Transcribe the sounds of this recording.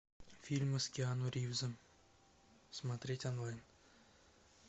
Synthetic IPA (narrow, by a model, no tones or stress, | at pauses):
fʲilʲmɨskʲeanuɾʲiwzɨm | smat̪ɾʲetʲanlˠajn